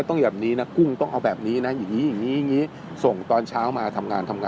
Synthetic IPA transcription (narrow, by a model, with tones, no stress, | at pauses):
t̪ɔ˥˩bɛː˨˩p̚niː˦˥na˦˥ku˥˩ŋt̪ɔ˥˩ŋʔa˧wbɛː˨˩p̚niː˦˥na˦˥ja˨˩ŋːiː˦˥ja˨˩ŋːiː˦˥ja˨˩ŋːiː˦˥ | so˨˩ŋt̪ɔː˧nt͡ɕʰaː˦˥wmaː˧t̪ʰa˧mŋaː˧nt̪ʰa˧mŋaː˧